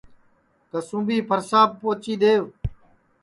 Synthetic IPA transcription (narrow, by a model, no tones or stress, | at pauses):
t̪əsũːbiːpʰəɾsaːbːoːt͡ʃiːɗ̪eːʋ